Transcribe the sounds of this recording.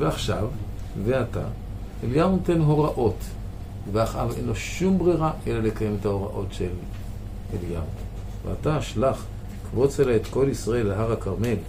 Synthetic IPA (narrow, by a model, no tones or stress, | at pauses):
veaχʃav | veata̰ | eljaʁntenɦo̞ʁaʔo̞t | veaχʔa̰ve̞̰nlo̞ʃumbʁiʁaʔelalekajemetahoʁa̰ʔo̞tʃel | elja̰ | vea̰taaʃlaχ | kvo̞t͡selaet̪ko̞lisʁae̞lːeɦaʁakaʁme̞l